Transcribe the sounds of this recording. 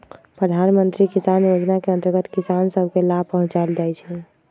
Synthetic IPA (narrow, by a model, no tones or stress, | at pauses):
pɾəd̪ʱanmənt̪ɾikisanjod͡ʒnakeənt̪əɾɡət̪kisansəbʱkelapəɦʊ̃t͡ʃald͡ʒajt͡ʃʰi